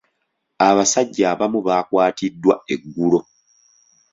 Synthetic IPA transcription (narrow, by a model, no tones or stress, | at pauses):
aβasaɟːaːβamuβaːkwaːtidːwae̞ɡːulo̞